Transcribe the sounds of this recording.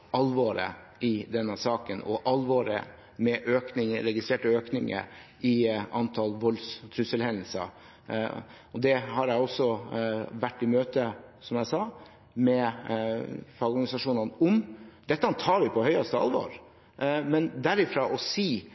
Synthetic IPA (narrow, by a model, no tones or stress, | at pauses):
ʔɑlʋɔɾə̰ | ɪd̪ɛnːəsɑːkənʔɔ̰ʔɑlʋɔɾə̰ | mɛʔøːknɪŋəɾɛɡɪst̪ɾeːʈəøːknɪŋə̰ɾ | ɪʔɑnt̪ʰɑlʋɔlst̪ʰɾʉsəlhɛnd̪əl̩sə̰ | ɔd̪ɛhɑɾjæɪɔsːɔʋæʈːɪmøːt̪əsɔmjæɪsɑː | mɛ | fɑɾɡɔɡɑnɪsɑʂuːnɑnɔmd̪ɛt̪ːəɑnt̪ʰɑːɾʋɪpʰɔhœʏɑst̪əɑ̰lʋo̰ɾ | mɛnd̪æɾɪfɾɑːʔɔsiː